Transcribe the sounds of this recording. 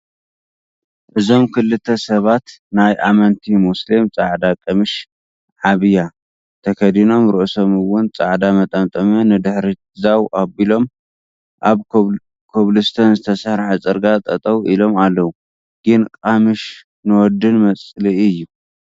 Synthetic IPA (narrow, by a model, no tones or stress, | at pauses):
ʔɨzo̞mkʰɨlːɨt̪ʰːɐsɐβat̪najʔamɐnt̪ʰimuslimt͡sʼaʕd̪akʼɐmɨʃ | ʕaβɨja | t̪ʰɐkʰɐd̪ino̞mɾɨʔso̞mɨwʊnt͡sʼaʕd̪amɐt̪ʼɐmt̪ʼɐmɐnɨd̪ɨħɾi | zawʔabilo̞m | ʔaβ | kʰoβlɨst̪ʰɐnzɨt̪ʰɐsaɾħat͡sʼɨɾɡat̪ʼɐt̪ʼɐwʔilo̞malːɐwu | ɡ̥ɨnkʼamɨʃ | nɨwɔd̪ːɨnmɐt͡sʼliɨjːu